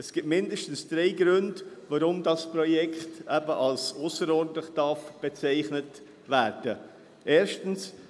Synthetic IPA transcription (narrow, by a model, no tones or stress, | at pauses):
ɛsɡ̥ɪtmɪndəʃtn̩sd̥reɪɡɾʏndvaɾʊmdɑsprɔjɛkχtɛbəʔɑlsosəɾɔɾdntlɪχd̥ɑɾfb̥ɛt͡saɪχnət | væːɾd̥ə | ʔeːɾʃtn̩s